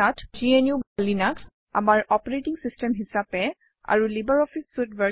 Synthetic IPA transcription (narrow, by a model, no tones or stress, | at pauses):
atd͡ʒienjubalːinak | a̰maɹɔpɔɹetiŋsistɛmɦisapɛ | a̰ɹulibaɹɔfʰisːutba